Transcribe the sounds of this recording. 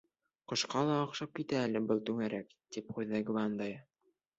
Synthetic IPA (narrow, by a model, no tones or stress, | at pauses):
qŏʃqɑlˠɑːqʃɑp̚kit̪æːlɘbɤlˠt̪ʉŋæɾækt̪ipχujðæɡvɑnd̪ɑj